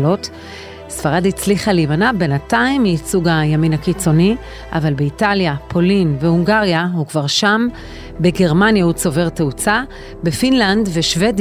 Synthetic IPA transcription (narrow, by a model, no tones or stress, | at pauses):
lo̞t | sfaʁadit͡sliχalemanabenataimːiːt͡suɡajaminhakit͡so̞ni | ʔa̰valbeitaljapʰo̞linveuŋɡaʁjahukvaʁʃam | beɡe̞ʁmanjahut͡so̞ve̞ʁteut͡sa | be̞finlandve̞ʃve̞d